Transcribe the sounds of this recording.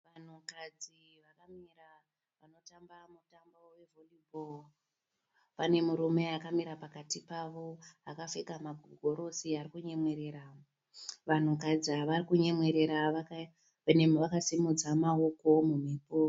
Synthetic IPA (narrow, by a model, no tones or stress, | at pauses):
ʋan̤ukad͡zi | ʋakamira | ʋano̞tambamutambawe̞volibʱol | pane̞muɾume̞akamiɾapakatipaʋo̞akafekamaɡʱoɡʱo̞ɾo̞siarikuɲe̞mwe̞ɾe̞ːɾa | ʋan̤ukad͡ziaʋarikuɲemwe̞ɾeɾaak | nemʋakasimud͡zamaoko̞mum̤epo